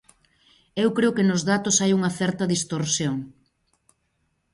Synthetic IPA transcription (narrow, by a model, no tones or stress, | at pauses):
ewkɾeʊkenʊzðat̪osajuŋɐθɛɾt̪ɐðist̪oɾsjoŋ